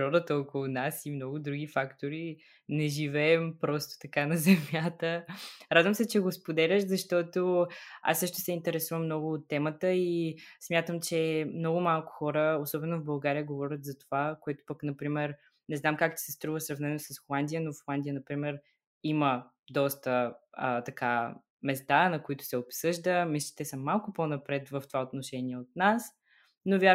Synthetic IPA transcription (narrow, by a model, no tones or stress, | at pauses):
ɾɔd̪ət̪əɔkolˠunasimnɔɡʊd̪ɾuɡ̟ifakt̪oɾi | nɛʒivɛːmpɾɔst̪ʊ̥t̪ɐkanɐzɛmjat̪əɾad̪vəmsɛt͡ʃɛɡospod̪ɛlʲəʃzɐʃt̪ɔt̪oa̰sːɤʃt̪ʊ̥sɛint̪ɛɾɛsuvəmnɔɡʊot̪ːɛmət̪əismʲjat̪əmt͡ʃɛmnɔɡʊmalˠkʊ̥xɔɾəosɔbɛnovbɐlˠɡaɾijəɡovɔɾʲət̪zɐt̪ovakoɛt̪ʊ̥pəknɐpɾimɛɾ | nɛznamkakt̪i̥sɛst̪ɾuvəsɾɐvnɛnosəsxolˠand̪ijənofolˠand̪ijənɐpɾimɛɾ | imə | d̪ɔst̪əət̪ɐka | mɛst̪anɐkoit̪ʊ̥sɛopsɤʒd̪əmisi̥t̪ɛsəmːalˠkʊponɐpɾɛt̪vəft̪ovaot̪noʃɛniɛot̪̚nas | novja